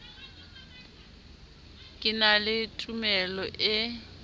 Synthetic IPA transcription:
kʼɪnalɪtʼumɛlɔʔɪ

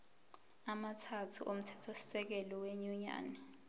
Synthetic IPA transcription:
amatʰatʰuʔom̩tʰɛ̥tʰosi̥sɛk̬ɛlɔweɲuɲa̰ːnɛ

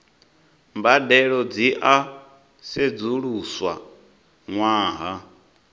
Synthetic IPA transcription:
mbadɛɺɔd͡ziʔa | sed͡zuɺuswa̰ | ŋwaːɦa

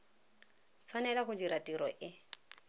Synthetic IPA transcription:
t͡sʰwanɛlaχʊd͡ʒiɾatʼiɾɔʔɪ

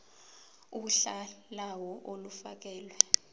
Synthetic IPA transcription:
uɬalawɔʔolufa̰k̬ɛːlwɛ

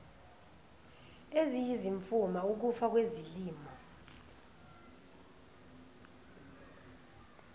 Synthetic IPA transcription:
ezijiziɱfumauk̬ufak̬weziliːma

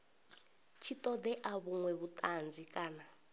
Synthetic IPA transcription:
t͡ʃʰitʼɔd̪ɛʔaβuŋwɛβutʼand͡zikʼaːna

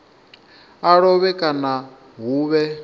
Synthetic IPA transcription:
aɺɔβɛkʼana | ɦuːβɛ

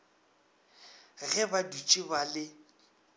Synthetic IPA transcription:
ɣɛbadut͡ʃʼibalɪ

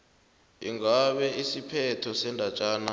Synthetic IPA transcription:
ḭŋɡaɓɛisipʰɛtʰɔsɛndʱat͡ʃʼaːna

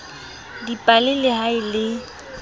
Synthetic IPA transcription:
dipʼalɪlɪhaɪlɪ

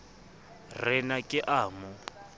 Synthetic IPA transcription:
rɪnakʼɪʔaːmʊ

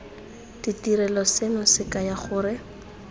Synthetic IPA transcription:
d̥itiɾɛlɔsenʊsɪkajaχʊːrɪ

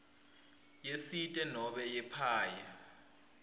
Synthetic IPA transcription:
jesitʼɛnɔɓɛjɛpʰaːja

